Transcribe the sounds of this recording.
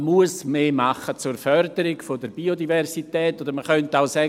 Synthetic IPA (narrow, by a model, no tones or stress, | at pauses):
muəsmeːmaχət͡suɾfœɾdəɾɪɡfodəɾb̥iodivɛrsitɛːtːodəɾməχœntaʊsɛ